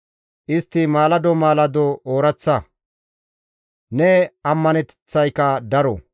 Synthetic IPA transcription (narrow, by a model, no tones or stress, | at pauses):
ʔɪst̪ːɪmaːlɐd̪ɔmaːlɐd̪ɔoːɾɐt͡sːɐ | nɛɐmːɐnɛt̪ɛt͡sːɐjkɐd̪ɐɾɔ̰